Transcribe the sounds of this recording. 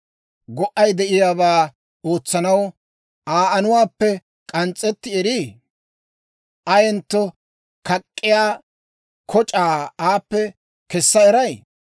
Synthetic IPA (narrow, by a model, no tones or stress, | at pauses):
ɡɔʔɐjd̪ɛʔɪjaːbaː | o̞ːt͡sːɐnɐw | aːʔɐnʊwaːpːɛ | kʼɐnt͡sʼːɛt̪ːɪɛɾi | ʔɐjɛnt̪ːɔ | kɐkʼːɪjaː | kʰɔt͡ʃʼaːaːpːɛ | kɛsːɐɛɾɐj